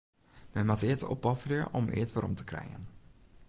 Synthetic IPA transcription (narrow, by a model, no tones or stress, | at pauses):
mɛnmatɪːtɔpːɑfria̰ʔɔmʔɪ̰ːtʋaɾɔ̰mtə̥krɛ̰jə̰n